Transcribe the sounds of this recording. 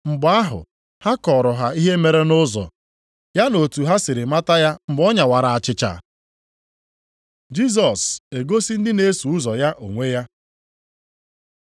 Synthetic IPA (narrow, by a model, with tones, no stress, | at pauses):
ŋ͡m̩˨ba˦ɦʊ̰˨ | ha˦kɔ˨ɾʊ˨ɦa˨i˦ɦe˦me˨ɾe˦nʊ˦zɔ̰˨ | ja˦no˨tu˨ɦa˦sɪ˨ɾɪ˨ma˦ta˦ja˦m̩˨bɔ˦ɲa˨wa˨ɾa˨a˨t͡ʃɪ˦t͡ʃa̰˨ | d͡ʒi˦s̬ɔ˨se˨ɡo˦si˦n̩˦dɪ˦ne˦su˨ʊ˦zɔ˨ja˦ʔo̰˨ŋʷe˦ja˦